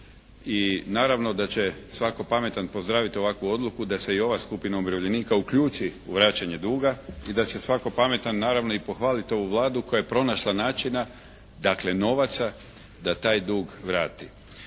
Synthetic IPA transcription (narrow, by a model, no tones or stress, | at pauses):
inaːɾaʋno̞d̪at͡ɕe̞sʋako̞pame̞t̪anpo̞zd̪ɾaːʋit̪io̞ʋakʋuo̞d̪lˠukud̪ase̞io̞ʋaskupinaobɾaʋʎeniːkaukʎuːt͡ʃiuʋɾaːt͡ɕaɲe̞d̪uːɡaid̪at͡ɕe̞sʋako̞pame̞t̪anːaːɾaʋno̞ipo̞xʋaːlit̪o̞ʋuʋlˠaːd̪uko̞jajepɾo̞naʃlˠanaːt͡ʃina | d̪akle̞no̞ʋat̪sa | d̪at̪aːjd̪uːɡʋɾaːt̪i